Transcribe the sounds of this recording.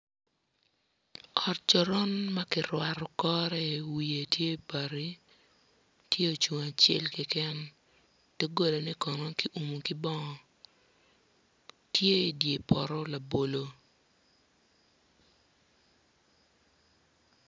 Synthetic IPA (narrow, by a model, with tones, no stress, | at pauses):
ɔ˨t̚t͡ʃɔ˨ɾɔ˦nma˦kɪɾwa˨ɾɔ˨kɔ˦ɾɛ˦˨wi˨e˨tje˦˨pa˨ɾi˦ | tje˦o˨t͡ʃu˨ŋa˨t͡ʃɛ̰˦lkɪ˦kɛ˦n | tɛ˦ɡo˦la˨nɛ˦kɔ˨no˦ki˦ʔu˨mu˨kɪ˦bɔ˦ŋɔ˨ | tje˦˨dje˨pɔ˨ɾɔ˦la˨bo˨lo˨